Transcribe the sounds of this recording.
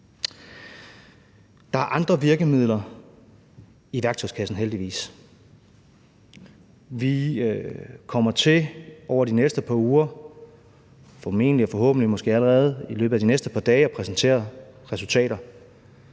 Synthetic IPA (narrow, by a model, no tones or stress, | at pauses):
d̥ɑ̈æɐʔɑ̈nd̥ʁɐʋiɐɡ̥əmið̞̰ˠlɐ | iʋæɐɡ̥t͡sʰɒ̽ɪskʰæsn̩ɦeld̥iʋḭːs | ʋi | kʰɒ̽m̰ɐt͡sʰe̝ʔɒʊ̰ɐd̥inesd̥əpʰɑ̈uːɐ | fɒ̽me̝̰ːnəliɒfɒ̽ɦɔ̰̽ːb̥n̩limɒ̽sɡ̥e̝̰ːæləʁɛːð̞̩ˠilø̰ːb̥̩æd̥inesd̥əpʰɑ̈d̥ɛːɒpʰʁɛsnt͡sʰe̝̰ːɐʁɛsult͡sʰɛ̰ːɾɐ